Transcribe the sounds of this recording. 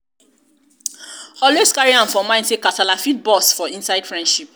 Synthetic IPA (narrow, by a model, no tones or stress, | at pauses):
ɔleskaɹiãnfɔmãɪ̃ntekatalafit̚bɔsfɔĩnsaɪd̥fɹɛ̃ndʃip̚